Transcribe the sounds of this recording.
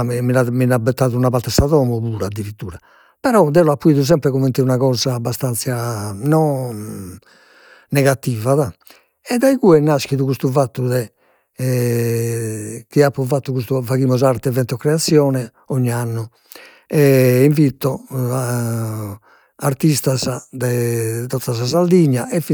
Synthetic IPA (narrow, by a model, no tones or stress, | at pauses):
minaminabɛt̪ːaːðunapaɾt̪ːɛsaðɔmɔβuːɾaːd̪iɾit̪ːuːɾa | pɛɾɔd̪ɛlɔapːuiːðuz̬ɛmpɾɛɣɔmːent̪iunaɣɔːzaːbːast̪ant̪sjanɔ | nɛɣat̪ːiːvaða | ɛd̪ajɣuɛnːask̟iðuɣust̪uvat̪ːuðɛ | k̟iapːuvat̪ːukust̪uvaɣimɔzaɾt̪ɛvɛnt̪ɔkːɾɛat̪sjɔːnɛ | oɲːianːu | ɛiɱvit̪ːɔ | aɾt̪ist̪azad̪ɛt̪ɔt̪sazazald̪iɲːaʔɛf